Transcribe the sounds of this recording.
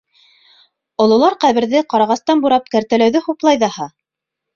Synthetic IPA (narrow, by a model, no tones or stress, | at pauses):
ŏlˠɤ̆lˠɑɾqæβɘ̆ɾðɘqɑɾɑʁɑst̪ɑnbuɾɑp̚kæɾt̪ælæwðɘhuplˠɑjðɑhɑ